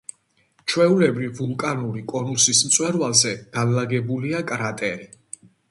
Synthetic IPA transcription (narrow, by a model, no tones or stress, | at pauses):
t͡ʃʰwɛulɛbɾivvulˠkʼanuɾikʼɔnusismt̪sʼwɛɾvalˠzɛɡ̥anlaɡɛbuliakʼɾat̪ʼɛɾi